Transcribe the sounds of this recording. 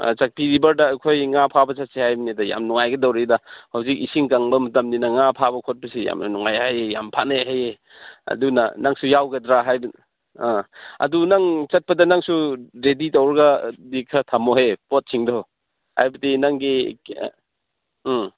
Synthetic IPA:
a̰t͡ʃak̚piɾibɐɾdɐːjkʰojŋapʰabɐt͡ʃat̚sihajbɐnedɐja̰mnuŋajɡɐdɔwɾedahawzik̚isiŋkaŋbɐmɐtɐmninɐŋapʰabɐkʰot̚pɐsija̰mnɐ̰nuŋajhajeja̰mpʰanaɦaje | ɐ̰duna̰naŋsujawɡɐdɾaɦajb | aɐ̰dunaŋt͡ʃɐt̚pɐdɐnaŋsuɾeditawɾɡadikʰɐtʰamoɦepot̚sʰiŋdɔ | ha̰jbɐdinaŋɡi

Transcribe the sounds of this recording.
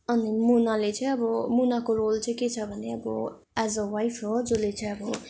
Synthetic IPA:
ʌnimunalet͡sʌ̃ĩʌbʌmunakoɾolt͡sʌ̃ĩket͡sʰʌbʱʌneʌbʌ̰ | azəwajfʰɦod͡zolet͡sʌ̃ĩʌbʌ

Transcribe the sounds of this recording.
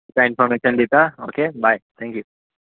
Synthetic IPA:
kainfɔɾmeʃənd̪it̪ao̰ːkebʱajt̪ʰɛ̃ŋkju

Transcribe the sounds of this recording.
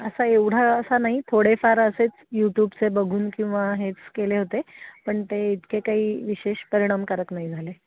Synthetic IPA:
əsaeʋɽ̤aəsanaɦit̪ʰoɽefaɾəset͡sjuʈjuːbt͡sebəɡʱuːnkĩw̃ʋaɦet͡skeleɦot̪epəɳt̪eit̪kekaɦiːʋiɕeɕpəɾiɽ̃amkəɾəknaɦid͡zʱale

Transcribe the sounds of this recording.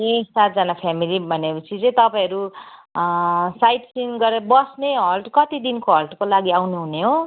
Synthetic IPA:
esat̪̚d͡zʌnapʰamilibʱʌnepʌt͡sʰit͡sʌĩt̪ʌpaĩɦʌɾu | sajʈsinɡʌɾeɾʌbʌsneɦʌlʈkʌt̪id̪inkoɦʌlʈkolaɡiawneɦuneɦo

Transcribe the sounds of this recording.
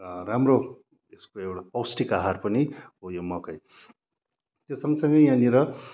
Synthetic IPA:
ramro | eskoewɽapʌwsʈikaɦarpʌniɦojomʌkʌj | t̪esʌŋɡʌsʌŋɡʌjjãniɾʌ

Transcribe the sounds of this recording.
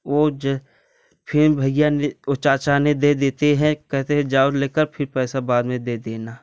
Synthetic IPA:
oːd͡ʒ | pʰɪɾbʱɐɪjaneot͡ʃaːt͡ʃaːned̪ed̪eːt̪eɦɛ̃kɛɦt̪eɦɛ̃d͡ʒaːodleːkəɾpʰɪɾpɛːsabaːd̪mẽd̪eːd̪eːna

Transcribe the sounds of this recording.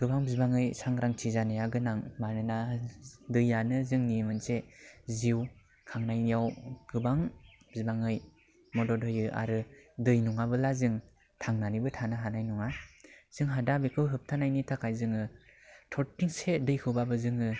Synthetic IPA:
ɡ̥ɯbaŋbizbaŋɯjsaŋɾaŋtʰizanɯjaɡɯnaŋmanɯnadɯjːanɯzɯŋnimɯnseziw | kʰaŋnajnijawɡ̥ɯbaŋ | b̥izbaŋɯj | mɔdɔdɔjɯʔa̰ɾɯdɯjnuŋabɯlazɯŋ | tʰaŋnanibɯtʰanɯɦanajnuŋaz̥ɯŋɦadabekʰɯwɦɯp̚tʰanajnitʰakʰajzɯŋɯtʰɔtːiŋsedɯjkʰɯwbabɯzɯŋɯ

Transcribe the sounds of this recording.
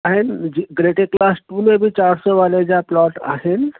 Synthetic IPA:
ɦend͡ʒiɡɾeʈeklasʈumẽbʱit͡ʃaɾsɔʋaled͡ʒaplɔːʈa̰ɦen

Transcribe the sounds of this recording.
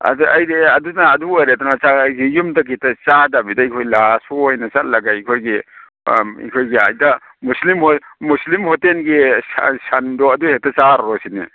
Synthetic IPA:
a̰a̰jdeɐdunaːduɐɾetɔnat͡ʃaɡijumdɐɡitɐt͡ʃadabidaikʰojlasɔjnɐt͡ʃat̚lɐɡajikʰojɡi | ḭkʰojɡia̰jdɐ | muslimhɔmuslimhɔtenɡiasandɔɐduhetɐt͡ʃaɾɾɔsinḭ

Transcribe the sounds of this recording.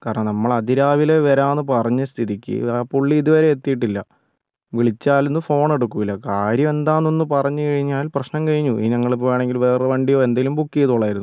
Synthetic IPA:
kaːɾɐɳɐnɐmːɐɭɐd̪ʱiɾaːʋile̞ʋɐɾaːnːɨp̬ɐrɐɲːɐst̪ʰiðikʲːɨ̰puɭːiːðuʋɐɾe̞et̪ːijiʈ̬ːilːɐ | ʋiɭit͡ɕːaːlunːɨfo̞ːɳe̞ɽukːumilːɐkaːɾjɐme̞nd̪aːnːonːɨpɐrɐɲːukɐɻiɲːaːlprɐɕnɐmkɐɻiɲːuḭɲɐŋːɐɭep̬ːoːjaːɳe̞ŋɡilʋeːreʋeɳɖijo̞ːe̞nd̪eilumbukːijɐðuːɭːaːjiɾunːu

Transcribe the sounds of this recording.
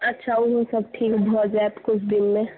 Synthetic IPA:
ɐtːʃʰauɦũsɐb̚ʈʰiːkbʱɔːt̪d͡ʒaet̪kʊt͡ʃʰd̪ɪnmẽ

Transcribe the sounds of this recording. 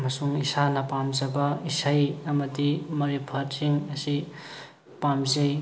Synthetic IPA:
ɐmɐsuŋisanɐpamzɐbɐisajɐmɐdimɐɾibʰɐɾsiŋɐsi | pamzej

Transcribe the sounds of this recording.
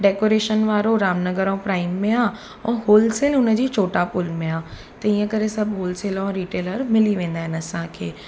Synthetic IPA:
ɖeːkoːɾeːʃənʋaːɾoɾaːmnəɡəɾõpɾaːɪmːẽaː | ɛ̃ːɦoːlseːlʊnə̆d͡ʑiːt͡ɕʰoːʈapʊlmẽaː | t̪ɐĩːə̃kɐɾesɐbʱɦoːlseːlõɾiːʈeːləɾmɪliʋẽːn̆d̪aːɦɪnɐsãkʰeː

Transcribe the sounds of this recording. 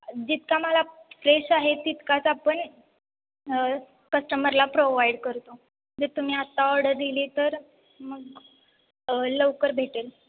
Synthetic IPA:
d͡ʑit̪kaməlafɾeɕaɦet̪it̪kat͡sapəɳ | kəsʈəməɾlapɾoʋajɖkəɾt̪o | d̪əɾt̪um̤iːat̪ːaɔɾɽəɾd̪iliːt̪əɾ | məɡ | ləʋkəɾbʱeʈel

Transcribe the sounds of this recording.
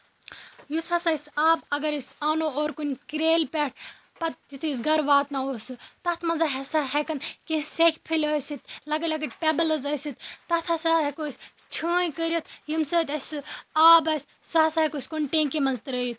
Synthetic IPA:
jusɐsɐjsaːbɐɡɐɾisaːnooːɾkunʲkɾeːlpɛʈ̚ʰ | pɐt̪̚jit̪ʰisɡɐɾʋaːt̪nɐoːsɨt̪ɐt̪ʰmɐnzɐɦesaɦekɐnkĩsekpʰilʲəːsit̪̚lɐɡɐlɐɡɐʈpebɐlɐzɐːsit̪t̪ɐt̪ʰɐsaɦekoːsʲt͡ʃʰə̃ːjkəɾʲjɐt̪jimsəːt̪ɐsʲsɨaːbɐsʲ | sɐɦɐsaːɦekoːsʲkoɳʈeːnkimɐnzt̪ɾəːjit̪ʰ

